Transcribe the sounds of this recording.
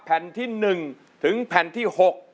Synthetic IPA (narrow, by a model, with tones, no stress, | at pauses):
pʰɛ˨˩nt̪ʰi˧nɨ˨˩ŋ | t̪ʰɨ˨˦ŋpʰɛ˧˩nt̪ʰi˧˩ho˨˩t̚